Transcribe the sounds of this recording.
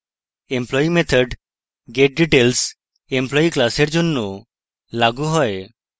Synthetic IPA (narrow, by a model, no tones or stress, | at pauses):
emplɔimet̪ʰəɖ | ɡeʈ̚ɖiʈels | emplɔiklaseɾd͡ʒonːo | laɡuɦɔe